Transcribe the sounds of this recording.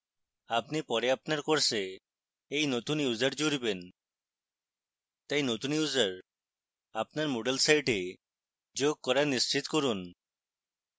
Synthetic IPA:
apnipɔɾeapnaɾkoɾse | ejnot̪unjud͡ʑaɾd͡ʑoɾiben | t̪ajnot̪unjud͡ʑaɾ | ap̚naɾmoɖelsajʈe | d͡ʑoɡ̚kɔɾaɾnist͡ɕit̪koɾun

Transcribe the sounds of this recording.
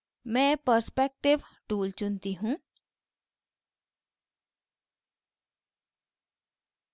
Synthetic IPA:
mɛ̃ːpəɾspɛːk̚ʈɪʋʈuːlt͡ʃʊnt̪iɦũː

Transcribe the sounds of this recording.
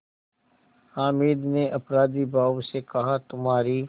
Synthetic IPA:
haːmiːd̪neʔɐpɾaːd̪ibʱaːʋsekɐɦat̪ʊmɦaːɾi

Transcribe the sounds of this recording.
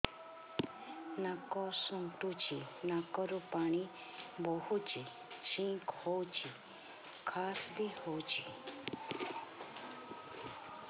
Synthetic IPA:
nãkɔsũnt̪ut͡ʃinãkɔɾupaɽ̃ĩ | bohut͡ʃi | ʃĩkʰot͡ʃi | kʰasd̪ihot͡ʃi

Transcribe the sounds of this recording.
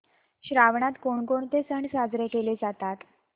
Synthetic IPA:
ɕɾaʋɳat̪koɳkoɳt̪esəɳsad͡zɾekeled͡zat̪at̪

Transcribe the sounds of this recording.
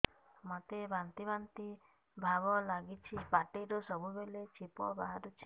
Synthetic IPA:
mat̪ebant̪ibant̪i | bʱaβɔlaɡit͡ʃʰipaʈeɾosɔbubelet͡ʃʰipɔbaɦaɾɔt͡ʃʰi̥

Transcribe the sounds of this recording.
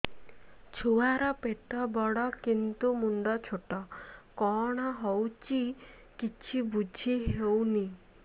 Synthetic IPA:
t͡ʃʰuaɾɔpeʈɔbɔɽɔkint̪umuɳɖɔt͡ʃʰoʈɔkɔɽ̃ɔɦɔwt͡ʃi | kit͡ʃʰibud͡ʒʱiɦewni

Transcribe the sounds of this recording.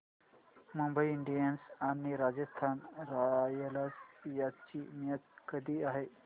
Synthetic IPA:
mumbəiiɳɖijənsañiɾad͡ʑəst̪ʰanɾajəlasjat͡ɕimjət̪̚kəd̪ʱiːaɦe

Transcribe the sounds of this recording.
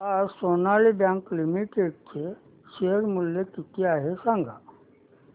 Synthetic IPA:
aɾsoːnaːlebjãːŋklimiʈeːɖ̚t͡ʃʰe | ʃeəɾmʊljekit̪ijaːɦesãːŋɡʱa̰ː

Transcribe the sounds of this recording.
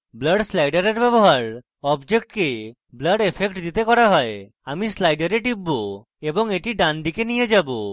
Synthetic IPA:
bləɖslajɖaɾeɾbɛboɦaɾ | ɔbd͡ʒekʈke | bləɖepʰekʈd̪it̪ekɔɽaɦɔe | amislajɖaɾeʈibːo | ebɔŋeʈiɖand̪ikenijed͡ʒabo

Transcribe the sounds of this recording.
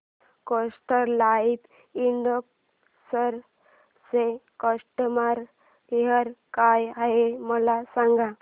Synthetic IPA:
kosʈəɾlait̪ | iɳɖək | səɾ | sekəsʈəmaɾ | ɦəɾkajaɦeməlasãŋɡa

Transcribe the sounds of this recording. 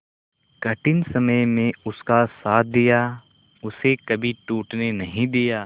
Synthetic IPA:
kɐʈɪnsɐməjmẽʊskasaːt̪̚ʰd̪ijaː | ʊsekɐbʱiʈuːʈnenɐɦĩd̪ijaː

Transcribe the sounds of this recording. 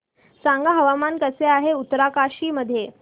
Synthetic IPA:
saŋɡaɦəʋamankəseaɦeut̪ːɾakaɕiːməd̪ʱːje

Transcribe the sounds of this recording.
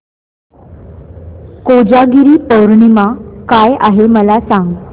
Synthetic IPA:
kod͡ʑaɡiɾiːpəwɾɳimakajaɦeməlasaŋɡ

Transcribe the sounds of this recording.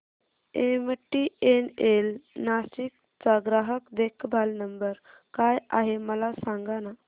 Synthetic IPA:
emʈːienelnaɕik̚ | t͡saɡɾaɦəkd̪ekʰbʱalnəmbəɾ | kajaɦeməlasaŋɡana

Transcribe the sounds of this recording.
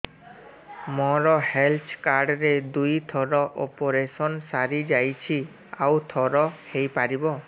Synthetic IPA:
mɔɾɔhelt͡ʃkaɾɖɾed̪ujt̪ʰɔɾɔʔopɔɾesɔnsaɾid͡ʒajt͡ʃʰi | awt̪ʰɔɾɔhejpaɾibɔ

